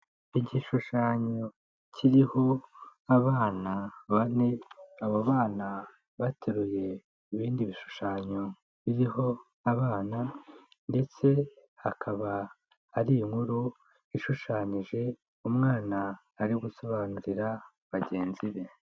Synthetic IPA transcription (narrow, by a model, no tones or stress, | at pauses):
iɟiʃuʃaːɲo̞ | cʰiɾiho̞aβaːnaβane̞aβoβaːna | βatʰeɾuje̞ | iβiːndiβiʃu̥ʃaːɲo̞ | βiɾiho̞ | aβaːna | nde̞t͡se̞hakʰaβaː | ɾijiŋhuɾu | iʃuʃaːɲiʒe̞ | umŋaːnaː | ɾiɡuso̞βaːnuɾiɾa | βaɟe̞ːnziβe̞